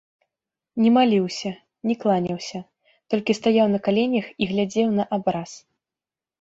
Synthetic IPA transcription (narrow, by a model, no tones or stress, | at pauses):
nʲɛmalʲiwsʲɐ | nʲɛklˠanʲɐwsʲɐ | t̪ɔlʲkʲist̪ajawnɐkalʲenʲjɐxiɣlʲad͡zʲɛwnɐʔabɾas